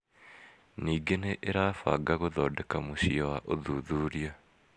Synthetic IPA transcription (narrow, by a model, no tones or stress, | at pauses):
niːɡeneʔeɾaːfaɡaɣoðɔdekamoɕiɔwaʔoðuːðuːɾja